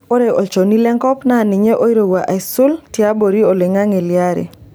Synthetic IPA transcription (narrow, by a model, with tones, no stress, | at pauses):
o˦ɾe˨ʔɔ˨t͡ʃo˨ni˦lɛ˦ŋkɔ˦pna˦˨nɪ˨ɲe˦ʔo˦i˦ɾo˨ɡwa˨ʔa˨sʊ˦lti˨a˦bo˨ɾi˦o˨le˨ŋa˦ŋe˨lɪa˦ɾḛ˨